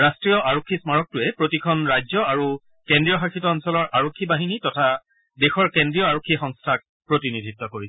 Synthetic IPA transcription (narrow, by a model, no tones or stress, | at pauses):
ɹastɹijɔʔaɹokʰːismaɹɔk̚tʊɛpɹotikʰɔnɹajzɔaɹu | kendɹijɔxakʰitɔːnsɔlɔɹʔaɹokʰːibaɦinitɔtʰa | dexɔɹkendɹijɔaɹokʰːixɔŋstʰak̚ | pɹotinidʱitːɔkoɹisɛ